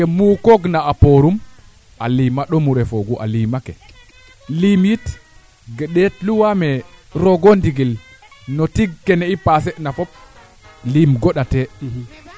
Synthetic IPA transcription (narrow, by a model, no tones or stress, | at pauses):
ɛmukoɡnaːpoɾum | ʔalimaɗɔmuɾɛfoɡuʔa̰limakɛ | limjit | ɡɗɛtluwamɛɾɔɡondiɡil | nɔtiɡkːɛnɛipas̬ɛnafɔp̚ | limɡɔɗatɛ